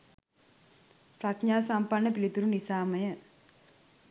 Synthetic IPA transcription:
pɾɐkɲaːsampɐnːɐpilit̪uɾunisaːmɐjɐ

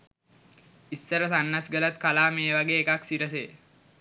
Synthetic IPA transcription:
isːəɾəsanːasɡəlat̪kalaːmeːʋaɡeːkaksiɾəs̬eː

